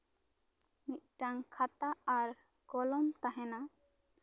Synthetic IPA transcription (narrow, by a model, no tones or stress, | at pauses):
niʔ̚ʈaŋkʰat̪at̪ːɾ | ɡɔlɔmt̪aɦɛna